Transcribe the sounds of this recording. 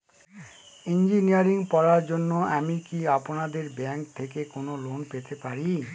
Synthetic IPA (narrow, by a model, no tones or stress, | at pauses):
ind͡ʑiniaɾiŋpɔɾaɾd͡ʑonːoamikiaponad̪eɾbɛŋk̚t̪ʰekekonolonpet̪epaɾi